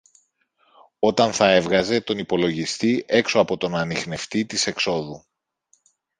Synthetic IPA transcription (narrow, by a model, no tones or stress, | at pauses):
o̞t̪ɐnθɐe̞vɣɐze̞t̪o̞nipo̞lo̞ʝist̪iʔe̞kso̞ɐpo̞t̪o̞nɐnixne̞ft̪it̪ise̞kso̞ðu